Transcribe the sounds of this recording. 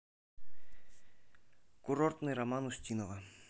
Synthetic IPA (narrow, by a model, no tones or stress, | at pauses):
kuɾort̪nɨjɾamanusʲtʲinova